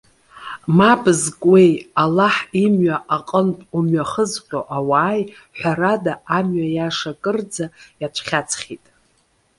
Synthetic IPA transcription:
mabzkʼwe̞jalaħimɥaaqʼənpʼumɥaχəzqʲʷʼoʔawaːj | ħʷᶣaɾadaamɥajaʂakʼɨrd͡zajat͡ʃʷʰχʲat͡sʰχʲitʼ

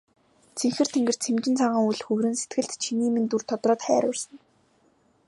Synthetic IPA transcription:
t͡sʰeŋxɘ̆r̥t̪ʰeŋɡɘ̆r̥t͡sʰemt͡ɕɪ̆nt͡sʰaɴʁə̆ːŋuɮxɵwɾɘ̆nset̪ɡɘ̆ɮt̪t͡ɕʰiniːmɘ̆nt̪ur̥t̪ʰɔt̪rɔːt̪χæːɾʊːrsə̆n

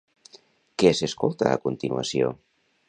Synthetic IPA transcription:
keseskolˠt̪a̰ːkunt̪inua̰sjo̰

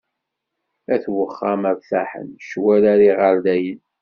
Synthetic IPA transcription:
æθwəχːæmæɾθæħə̰nʃwæɾaɾiʁəɾd̪æjən

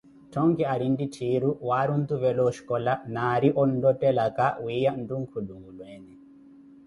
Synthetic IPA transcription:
tʰɔŋɡɛaɾinditʰiɾuwaɾund̪uβɛlɔʃi̥kɔlanaɾiʔɔn̩dɔtɛlakawijan̩duŋ̩kʰuɗuŋɡulwɛnɛ

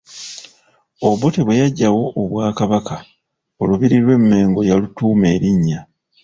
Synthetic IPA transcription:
o̞βo̞teβwe̞jaɟːawo̞ʔːβwaːkaβaka | oluβiɾiɾwe̞mːe̞ːŋɡo̞jalutuːme̞ːɾiɲːa

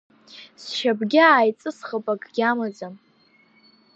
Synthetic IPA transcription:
sʃabɡʲaːjt͡sʼɨsχəpʼakʼɡʲamad͡zan

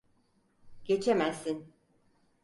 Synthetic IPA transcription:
ɟ̥e̞t͡ʃʰemæsːin

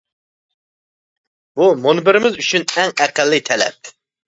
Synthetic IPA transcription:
b̥umonbɪɾɪmɪzyt͡ʃʰynɛŋɛqælːɨt̪ʰɛlɛ̰p̚

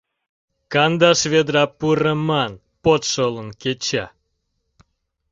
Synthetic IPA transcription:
kɑnd̪ɑʃβed̪ɾɑpurəmɑn | pot̪ʃolənket͡ɕæ̰

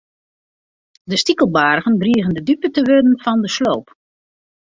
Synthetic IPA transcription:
dəstikəlˠbaːrɣənbriəɣəndədypətəʋødənfɔndəsloːp

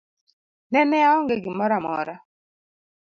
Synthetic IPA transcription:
nɛnɛaɔŋɡeɡɪmɔɾamɔ̰ɾa

